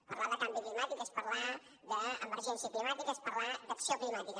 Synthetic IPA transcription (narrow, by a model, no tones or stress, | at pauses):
pəɾlaðəkambiklimat̪ikespəɾla | ðəəməɾʒɛnsijəklimat̪ikəespəɾlad̪əksioklimat̪ikə